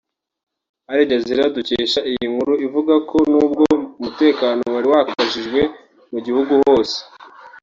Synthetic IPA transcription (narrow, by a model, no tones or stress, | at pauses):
aɾiɟaziɾaduceːʃaʔijiŋhuɾuivuɡakʰo̞nuːb̚ɡoumute̞ːkaːno̞waɾiwahakaʒiʒɡwe̞ | muɟihuɡuho̞ːse̥